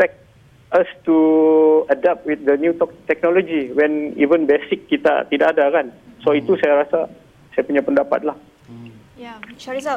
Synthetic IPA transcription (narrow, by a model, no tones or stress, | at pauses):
pɛk̚t̚ | ast̪uədɛp̚t̪̚wɪt̪̚d̪ənjut̪ɔk̚t̪ɛk̚nɔlod͡ʒiwɛnḭvənbesɪkːit̪a̰t̪idaʔːdakansoit̪usajaɾasa | sajapuɲapəndapa̰t̪̚lah